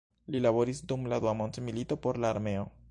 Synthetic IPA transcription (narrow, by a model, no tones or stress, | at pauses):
lilabo̞ɾisdumladuamo̞ntmilito̞po̞ɾlaːɾme̞o̞